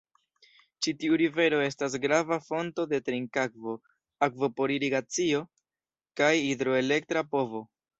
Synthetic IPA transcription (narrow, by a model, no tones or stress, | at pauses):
t͡ʃitiuɾive̞ɾo̞e̞stas̬ɡɾavafo̞nto̞de̞tɾiŋkakvo̞ | akvo̞po̞ɾiɾiɡat͡sio̞ | kajidɾo̞e̞le̞ktɾapo̞vo̞